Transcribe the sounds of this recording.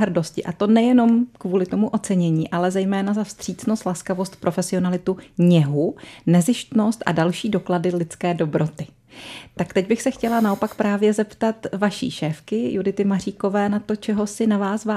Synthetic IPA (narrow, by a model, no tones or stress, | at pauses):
ɦɾ̩do̞scɪʔat̪o̞nɛjɛno̞mkvuːlɪt̪o̞muʔo̞t͡sɛɲɛɲiːʔalɛzɛjmɛːnazafst̪r̝̥iːt͡sno̞st̪laskavo̞st̪̚pɾo̞fɛsɪo̞nalɪt̪uɲɛɦunɛzɪʃt̪no̞st̪ʔa̰dalʃiːdo̞kladɪlɪt͡skɛːdo̞bɾo̞t̪ɪ | t̪akt̪ɛɟbɪxsɛxcɛlanao̞pakpɾaːvjɛzɛpt̪at̪vaʃḭːʃɛːfkɪjudɪt̪ɪmar̝iːko̞vɛːnat̪o̞t͡ʃɛɦo̞sɪnavaːsva